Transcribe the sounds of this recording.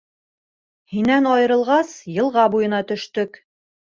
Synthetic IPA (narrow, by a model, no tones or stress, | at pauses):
hinænɑjɤ̆ɾɤ̆lˠʁɑsjɤ̆lˠʁɑbujɤ̆nɑt̪ɵ̆ʃt̪ɵk